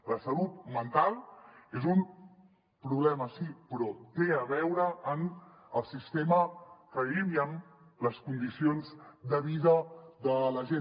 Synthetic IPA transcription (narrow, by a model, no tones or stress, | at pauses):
ləsəlut̪̚mənt̪alˠezum | pɾuβlɛməsipɾɔt̪eəβ̞ɛwɾəʔːn | əlˠsist̪eməkəliβjəmləskund̪isionzd̪əβiðəðələʒe